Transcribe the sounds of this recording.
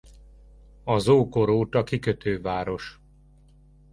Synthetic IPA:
ɒzoːko̞ɾoːt̪ɒkikøt̪ʰøːvaːɾo̞ʃ

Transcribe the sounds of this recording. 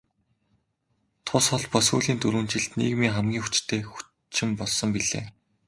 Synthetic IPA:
t̪ʰʊsχɔɮpɔsuːɮiːnt̪ɵɾŭːn̥t͡ɕɪ̆ɮt̪nḭːɣmiːŋχæmɡʲiːŋxu̥t͡ɕt̪ʰeːxu̥ | t͡ɕɪ̆mpɔɮsɞ̆mpiɮḛː

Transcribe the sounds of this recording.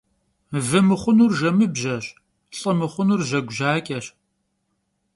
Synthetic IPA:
vɨmɨχʷʊnuːrʒɐmɨbʑɐɕ | ɬʼɨmɨχʷʊnuːrʒɐɡʷʒaːkʼɐɕ

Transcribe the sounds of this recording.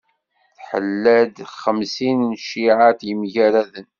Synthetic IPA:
θħə̰lːæd̪χəmsinnʃiʕat̪jəmʝæɾæðən

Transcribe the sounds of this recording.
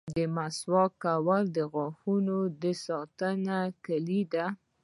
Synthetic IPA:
d̪əmaswɑkawald̪əɣɑxunod̪əsɑt̪ənakalid̪a

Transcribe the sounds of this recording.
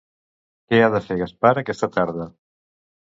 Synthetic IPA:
keaðəfeɣaspaɾəkɛst̪ət̪aɾðə

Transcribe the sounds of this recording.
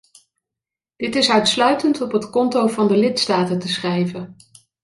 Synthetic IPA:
d̥ɪtɪsœɥtslœɥtəntɔpɦətkɔntowvɑndəlɪtstaːtəntəsχrɛjvən

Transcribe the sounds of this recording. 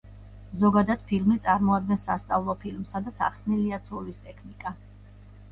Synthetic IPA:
zɔɡad̪ad̪̥pʰilmit̪sʼaɾmɔad̪̚ɡɛnsast̪sʼavlˠɔpʰilmsad̪at̪sʰa̰χsniliat̪sʰulist̪ʼɛkʰnikʼa

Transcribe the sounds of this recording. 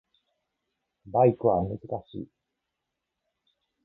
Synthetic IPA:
baikɯ̟βamɯ̟zɨkaɕḭː

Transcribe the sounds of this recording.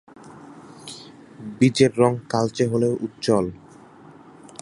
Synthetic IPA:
bid͡ʑeɾːɔŋkalt͡ɕeɦoleoʔut̪ːt͡ɕɔl

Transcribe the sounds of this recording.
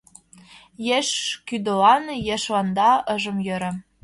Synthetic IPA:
jeʃkyd̪ə̆lɑnjeʃlɑnd̪ɑɤ̆ʒə̆mjøɾə̆

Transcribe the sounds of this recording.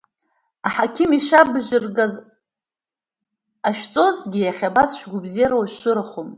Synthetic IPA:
aħakʲʰɪmiʃabʒɪrɡaz | aʃᶣt͡sʼo̞ztʰʼɡʲɪjaχʲabasʃᶣɡʷʊbzeaɾwaʃʃʷʊɾɨχomz

